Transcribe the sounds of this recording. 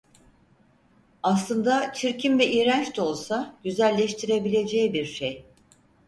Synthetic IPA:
aslˠɯnd̪at͡ʃʰiɾcʰimvɛʔijɾænt͡ʃt̪ʰo̞lˠsaɟ̥yzælʲːɛʃt̪ʰiɾe̞bilʲe̞d͡ʒɛːbiɾʃej

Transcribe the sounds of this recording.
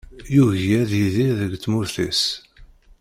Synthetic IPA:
juʝjæðjiðiðəɡt͡sːmuθis

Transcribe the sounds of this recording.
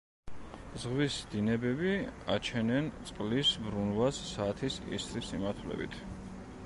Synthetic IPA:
zʁwisd̪̥inɛbɛbia̰t͡ʃʰɛnɛnt̪sʼqʼlisbɾunvasːaːt̪ʰisḭst̪ɾismimaɾt̪ʰlɛ̰bḭt̪ʰ

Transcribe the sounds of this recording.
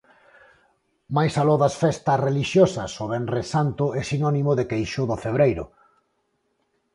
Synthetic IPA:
majsalɔðɐsfɛst̪ɐsreliʃjosɐsoβɛnresant̪ʊɛsinɔnimʊðekejʃʊðʊfeβ̞ɾejɾʊ̰

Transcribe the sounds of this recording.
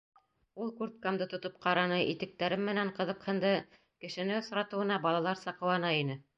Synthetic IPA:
ulˠkuɾt̪̚kamd̪ɤt̪ŏt̪op̚qɑɾɑnɤʔit̪ɘ̆k̚t̪æɾɘmːɘ̆næɴqɤ̆ðɤ̆qhɤ̆nd̪ɤ | kɘ̆ʃɘ̆nɘŏsɾɑt̪ɤ̆wɤ̆nɑbɑlˠɑlˠɑɾsɑqɤ̆wɑnɑinɘ

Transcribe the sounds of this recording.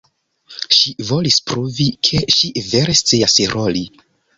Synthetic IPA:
ʃivo̞lispɾuvikʰe̞ʃive̞ɾe̞st͡siasɾʔoli

